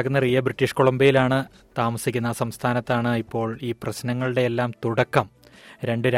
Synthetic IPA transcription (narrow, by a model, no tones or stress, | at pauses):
kunːɐrijːɐbriʈːiʂko̞ɭɐmbɐjilaːɳɨ | t̪aːmɐsikʲːunːɐsɐmst̪ʰaːnɐt̪ːaːɳɨipːo̞ːɭiːprɐɕnɐŋːɐɭɨɽe̞elːaːmt̪uɽɐkːɐm | ɾe̞ɳɖɨɾa